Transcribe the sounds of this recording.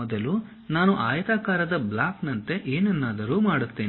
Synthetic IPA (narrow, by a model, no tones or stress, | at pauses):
ɔd̪ɐlu | naːnuʔaːjɐt̪aːkaːɾɐd̪ɐblaːknɐnt̪e̞ʔeːnɛnːaːd̪ɐɾuːmaːɽut̪ːe̞ː